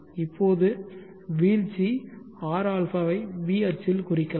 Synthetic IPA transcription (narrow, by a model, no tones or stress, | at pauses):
ɪpːoːðɯ | ʋiːlt͡ʃi | aːɾaːlfaːʋɐɪʋiːɐɾt͡ʃɪlkʊrɪkːɐl